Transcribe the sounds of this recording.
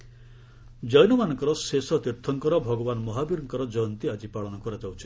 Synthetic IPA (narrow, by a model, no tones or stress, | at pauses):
d͡ʒɔjnɔmanɔŋkɔɾɔsesɔt̪iɾt̪ʰɔŋkɔɾɔbʱɔɡɔbanmɔɦabiɾɔŋkɔɾɔd͡ʒɔjɔnt̪iad͡ʒipaɭɔnɔkɔɾad͡ʒawt͡ʃʰi̥